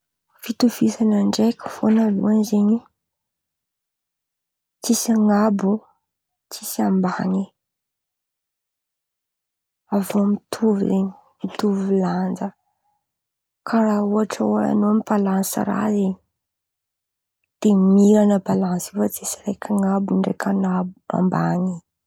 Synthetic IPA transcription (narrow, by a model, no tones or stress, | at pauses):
fit̪ufisanaɳɖ͡ʐekʲə̥fo̰nalṵanzeɲi | t͡sisaŋabu | t͡sisiambaŋi | avomit̪ʰuv̰zeɲi̥ | mit̪uvuland͡zə | kʰaɾauaʈ͡ʂəaa̰noamipalãnsḭra̰zeɲi | d̪̥emiɾanəbalãnsifat͡sisiɾekʲʰaŋabuɳɖ͡ʐḛkʲʰanabua̰mbaŋi